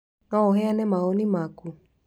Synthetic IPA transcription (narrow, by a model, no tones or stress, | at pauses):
nɔɔɦɛanɛmaɔnimaku